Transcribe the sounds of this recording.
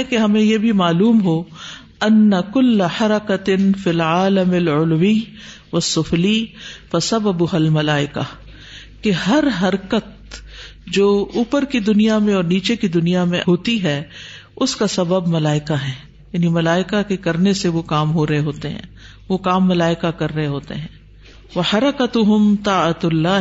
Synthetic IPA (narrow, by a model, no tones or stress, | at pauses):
keɦɐmẽjebʱimaːluːmɦo | ɐnːɐkʊlːɐħɐɾɐkɐt̪ɪnfilʕaːləmɐlʊlwi | ʋɐsːʊflifɐsɐbɐbʊɦɐlmɐlaːɪka | kehɐɾɦɐɾkət̪̚ | d͡ʒoːuːpəɾkid̪ʊnijamẽɔːɾniːt͡ʃekid̪ʊnijamẽɦoːt̪iɦɛː | ʊskasɐbəbmɐlaːɪkaɦɛː | jaːnimɐlaːɪkakekɐɾneseʋokaːmɦoɾɐɦeɦoːt̪eɦɛ̰̃ː | ʋokaːmːɐlaːɪkakɐɾːɐɦeɦoːt̪ḛɦɛ̃ː | ʋɐħɐɾɐkɐt̪ʊɦʊmt̪aːɐt̪ʊlːaː